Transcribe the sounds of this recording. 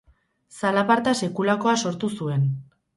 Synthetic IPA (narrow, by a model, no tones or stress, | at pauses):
salapaɾt̪ase̞kulako̞aso̞ɾt̪usue̞n